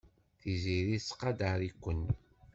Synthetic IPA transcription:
θiziɾisqɑd̪əɾikʷːənː

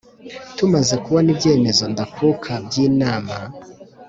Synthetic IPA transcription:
tumazekuβanibje̞ːme̞zo̞ndakʰukʰabjiːnaːma

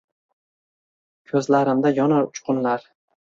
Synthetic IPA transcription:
kʲʰɵzlaɾɪmd̪ajɒnaʊt͡ʃqʊnlaɾ

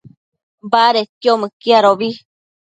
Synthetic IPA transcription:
baɾet̪jomɨkiaɾoβi

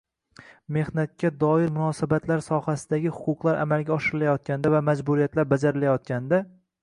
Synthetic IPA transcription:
me̞hnat̪̚kʲːad̪ɒɪɾmʊnɒsabat̪ʰlaɾsɒhasɪd̪aɡʲɪhʊ̥qʰʊqlˠaɾʔa̰malɡʲaɒʃɪɾɪlajɒt̪̚kʲand̪avamad͡ʒbʊɾijat̪laɾbad͡ʒaɾɪlajɒt̪̚kʲand̪a

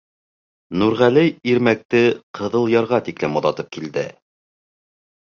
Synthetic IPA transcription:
nuɾʁælɘjiɾmæk̚t̪ɘqʰɤ̆ðɤ̆lˠjɑɾʁɑt̪iklɘmoðˠɑt̪ɤp̚kild̪ɘ

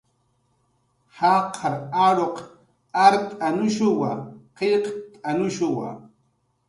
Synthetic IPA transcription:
hɑqʰɑɾaɾoq | aɾt̪ʼanʊʃʊwaqeqt̪ʼanʊʃʊwa̰

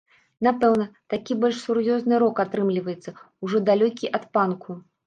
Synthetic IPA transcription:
napɛwnɐt̪akʲibɔlʲʂsurjɔznɨɾɔkat̪ɾɨmlʲivɐjɛt̪sːɐ | uʐɔd̪alʲɔkʲiʔɐt̪pankʰu

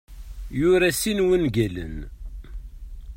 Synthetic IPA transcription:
jʊɾæsinwənɡələ̰n

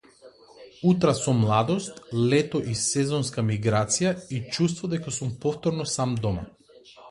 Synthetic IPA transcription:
ut̪ɾasɔmlˠad̪ɔst̪lɛt̪ɔʔisɛzɔnskamiɡɾat̪sijait͡ʃust̪vɔd̪ɛkasumpɔft̪ɔɾnɔsamd̪ɔma̰

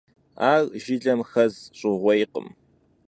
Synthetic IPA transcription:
aːɣʒɪɮʼɐmxɐzɕʼɪʁʷɔjqə̰m

